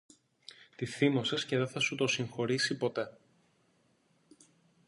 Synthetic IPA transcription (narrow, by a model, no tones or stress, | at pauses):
t̪iθimo̞sesce̞ðeθɐsut̪o̞siŋxo̞ɾisipo̞t̪e̞